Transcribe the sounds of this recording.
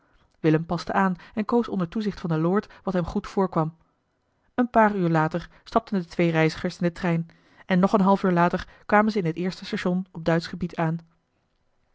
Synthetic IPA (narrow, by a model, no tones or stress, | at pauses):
ʋɪləmpɑstəʔaːnɛnkowsɔ̰ndəɹtuzɪχtfɑndəlʊːɹtʋɑtɦɛmχutfʊːɹkʋɑm | ənpaːryːɹlaːtəɹ | stɑp̚təndətʋejrɛjzəχəɹsɪndətrɛjn | ɛnːɔχənɦɑlˠfyːɹlaːtəɹkʋaːmənzəɪnətɪːɹstəstaʃɔnɔb̚dœɥtsχəbitʰaːn